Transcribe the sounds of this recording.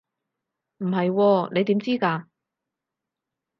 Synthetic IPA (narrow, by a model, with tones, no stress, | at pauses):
m̩˨˩ɦɐ˨jwɔː˧ne˨˧jt̪iː˨˥mt͡siː˥kaː˧